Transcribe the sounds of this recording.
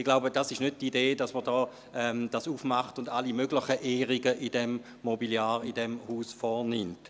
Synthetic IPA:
ɪɡ̥laʊbəd̥ɑsɪʃnød̚tideːdɑsməʁdɔː | ɛmd̥ɑːsufmɑχtʊndalimøɡlɪχəʔeːʁiɡəʔɪdɛmː | ɔbiljaːʁɪdɛmhuːsfɔʁnɪmt

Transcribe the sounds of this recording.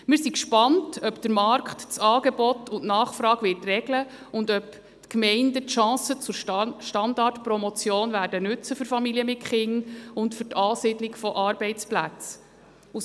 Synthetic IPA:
mɪɾsikʃpɑntʰœpd̥əɾmɑɾkχtt͡sɑːɡebɔtʰʊntnɑːχfɾɑːɡʋɪtrɛɡlə | ʊndœp | tkmɛɪndətʃɑ̃ːsət͡sʊʃtɑndɑrtpɾɔmɔt͡sjoːnvæːɾdənʉt͡səfʏɾfɑmiliəmɪtχɪŋʊntfʏɾtʰɑːsɪdlɪkfɔʔɑɾb̥ɛɪt͡splæt͡s | u

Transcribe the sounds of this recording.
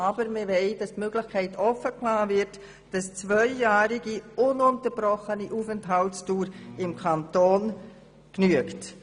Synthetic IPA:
ɑbəɾmɪvɛɪdɑstmøɡlɪxkʰɛɪtʰɔfəkʰlaːvɪɾt | d̥ɑst͡svœʏjaːɾɪɡiʊnʊntəɾb̥ɾɔχəniʔuːfɛntɦɑltstuːɾɪmkʰɑntoːn | knyəkt

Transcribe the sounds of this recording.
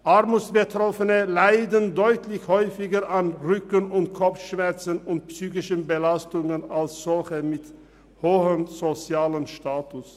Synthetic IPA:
ʔaʁmusb̥ətʁɔfənəlaɪdəndɔʏtlɪçhɔʏfɪɡəʁʔanʁʏkənʊntkʰɔp͡fʃmɛɐʁt͡sənʊnt̚psyːçɪʃənbəlastʊŋənalsz̥ɔlçəmɪt | hoːhənz̥ot͡sjaːlənʃtaːtʊs

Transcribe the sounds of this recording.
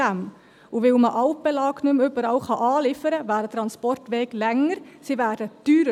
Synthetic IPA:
æm | ʊʋɪlməʔɑʊpəlɑːknʉmʉbəɾɑʊχɑʔɑːlɪfəɾəʋæːdət̪ɾɑnspɔrtʋeːɡlɛŋəɾsiʋæːd̥əd̪̥yːɾə

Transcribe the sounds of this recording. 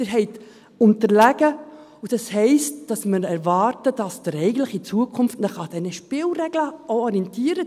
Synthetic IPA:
ɪɾɦɛɪt | ʊntəɾlæɡ̥ə | ud̥ɑshɛɪstd̥ɑsməɾɛɾvɑːrtəd̥ɑsd̥əɾɛɪɡən̩tlɪχit͡suəkʰʊnftnəχɑd̥ɛnəʃpɪlrɛɡləʔɔɔɾiɛntiːəɾə

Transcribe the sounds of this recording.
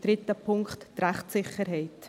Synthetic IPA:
d̥̪ɾɪt̪əpʰʊŋktːɾɛχtsɪχəɾɦɛɪt

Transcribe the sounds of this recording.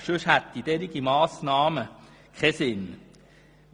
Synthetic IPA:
ʃøʃhæt̪ːid̥̪ɛɾiɡimɑːsnɑːmə | kʰɛsɪn

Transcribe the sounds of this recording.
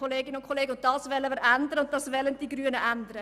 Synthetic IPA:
oleːɡɪnəʊntkʰoleːɡəʊnt̚d̥ɑːsvɛlːəməɾændəɾəʊnttɑsvɛlənd̥iːɡryːənəʔændəɾə

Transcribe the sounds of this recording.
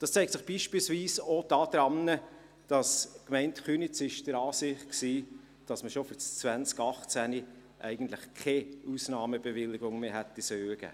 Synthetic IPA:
d̥ɑst͡sɛɪk̚tsɪχb̥iːʃpilsviːsod̥ɑːd̥ɾɑmnə | d̥ɑskmɛɪntχyːnit͡sɪʃd̥əɾɑːsɪχt̚ksiː | d̥ɑsməʃofyɾt͡st͡svænt͡skɑχt͡sæni | ʔæ̰ɪɡ̥ən̩tlɪχkʰɛusnɑːməb̥evɪlːɪɡʊŋmeɦɛt̪ːisœːɡ̥ə̰

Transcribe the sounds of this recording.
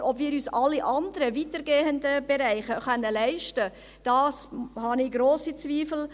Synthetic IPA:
ʔɔbviːɾyːsɑlːiʔɑndəɾəvitəɾɡeːəndəbeɾæɪχəχœnːəlɛɪʃtə | d̥ɑːshɑnɪɡɾoːsit͡sviːfl̩

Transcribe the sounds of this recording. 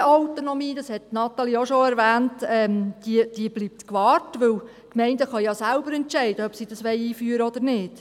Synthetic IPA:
awt̪onomiːd̥̪ɑshɛttːnɑt̪ɑlioʃoæɾʋæːntɛmd̥id̥iəbliːp̚t̪kʋɑːrtʋɵw | kmɛɪndəχɑjɑsælbəɾɛntʃɛɪdəœpsid̥ɑsʋɛɪjiːfyːəɾəɔd̥̪əɾnɪːd̥

